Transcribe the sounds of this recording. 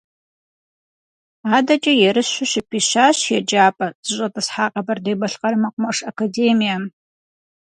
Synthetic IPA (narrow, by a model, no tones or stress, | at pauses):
aːdɐt͡ʃʼɐjɛɾɨsɕʷʊʃɪpʰiːɕaːɕjɛd͡ʒaːpʼɐzɨɕʷʼɐtʼɐsħaːqʼɐbɐrdejbɐɬqʼɐɾɨmɐqʷʼʊmɐʂɐkʰadeːmija